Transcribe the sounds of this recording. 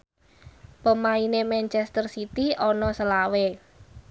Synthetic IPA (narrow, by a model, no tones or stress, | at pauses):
pəmainemɛnt͡ʃɛst̪ərsit̪iɔnɔsəlawe